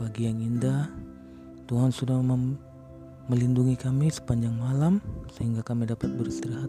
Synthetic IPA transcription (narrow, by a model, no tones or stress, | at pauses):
baɡiaŋindah | t̪uɦansudahm | məlinduŋikamisə̥paɲd͡ʒaŋmalamsəɦiŋɡakamidapat̪̚bəɾist̪iɾiɦat̪